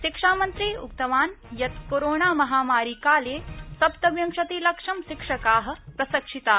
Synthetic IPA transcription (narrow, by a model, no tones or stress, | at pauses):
ʃikʂaːmɐnt̪ɾiːṵkt̪ɐʋaːnjɐt̪koɾoːɳaːmɐɦaːmaːɾiːkaːleːsɐpt̪ɐʋjɐmʂɐt̪iːlɐkʂɐmʃikʂɐkaːɦɐ̆pɾɐsɐkʂit̪aː